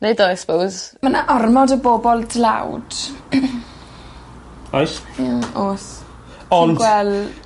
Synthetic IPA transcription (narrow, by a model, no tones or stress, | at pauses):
nejdajspowzmanaʔɔrmɔdəboːbɔlˠdla̰wd̥ | ajsjaoːs | ɔnɡwɛl